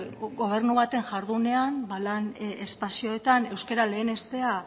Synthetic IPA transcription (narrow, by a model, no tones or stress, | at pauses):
ɡo̞β̞e̞ɾnuβat̪e̞ŋʝaɾðune̞ambalanespasio̞e̞t̪ane̞wskeɾale̞ːne̞st̪e̞a